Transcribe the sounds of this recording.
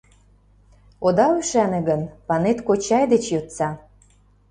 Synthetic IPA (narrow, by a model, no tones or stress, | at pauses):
od̪ɑyʃænĕɣənpɑnet̪kot͡ɕɑjd̪et͡ɕjot̪t͡sɑ